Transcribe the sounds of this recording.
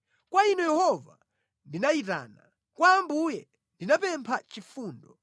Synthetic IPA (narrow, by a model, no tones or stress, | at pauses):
kwainɔjɛhɔva̰ | ndinaita̰ːna | kwaːmbujɛ | ndinapɛmpʰat͡ʃifuːndɔ